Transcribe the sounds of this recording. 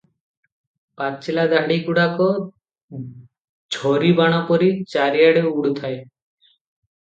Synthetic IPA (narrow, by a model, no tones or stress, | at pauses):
patt͡ʃʰilad̪aɽikuɽakɔo | d͡ʒʱoɾibaɽ̃ɔpɔɾit͡ɕaɾijaɽeuɽut̪ʰae